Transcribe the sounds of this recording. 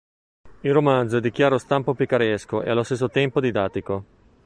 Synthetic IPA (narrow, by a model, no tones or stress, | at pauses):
ilromand̪zoɛd̪ik̟jaːɾost̪ampopikaɾɛskoḛalːost̪es̬ːot̪ɛmpod̪id̪at̪ːiko